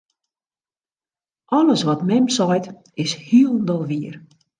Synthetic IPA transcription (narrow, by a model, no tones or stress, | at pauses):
ʔɔləsʋɔtmɛmsɔjt | ɪshiəlˠn̩dɔlˠʋiər